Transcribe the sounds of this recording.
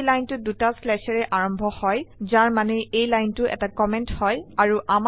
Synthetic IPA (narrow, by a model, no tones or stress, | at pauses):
lajntʊdutaslɛsɛɹɛʔaɹɔmbʱɔhɔjzaɹmanɛʔejlajntʊʔɛ̰takɔmɛnthɔjaɹuʔam